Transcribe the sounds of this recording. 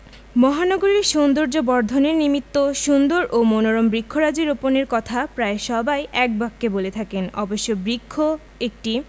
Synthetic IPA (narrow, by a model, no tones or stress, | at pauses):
mɔɦanoɡoɾiɾʃond̪oɾd͡ʑobɔɾd̪ʱoneɾnimit̪ːoʃund̪oɾʔomonoɾombɾikʰːoɾad͡ʑeɾoponeɾkɔt̪ʰapɾaeʃɔbajʔɛk̚bakːebolet̪ʰakenɔboʃːobɾikʰːo | ek̚ʈi